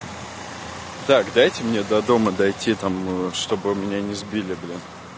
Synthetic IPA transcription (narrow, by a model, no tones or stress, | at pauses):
t̪akd̪ajtʲɪmnʲe̞d̪ɐd̪o̞məd̪ɐjtʲʰit̪amʂt̪o̞bɨmʲɪnʲanʲɪzbʲilʲɪbɨlʲi